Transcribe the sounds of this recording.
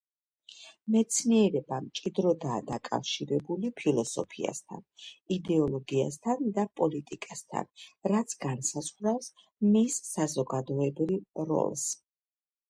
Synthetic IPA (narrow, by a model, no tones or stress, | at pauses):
mɛt̪sʰniɛɾɛbamt͡ʃʼid̪ɾɔd̪aːd̪akʼa̰fʃiɾɛbulipʰilˠɔsɔ̰pʰia̰st̪ʰa̰nid̪ɛɔlˠɔɡia̰st̪ʰand̪apʼɔlit̪ʼikʼast̪ʰa̰nɾat̪sʰɡansazʁɾafs | misːazɔɡad̪ɔɛbɾivɾɔ̰lˠs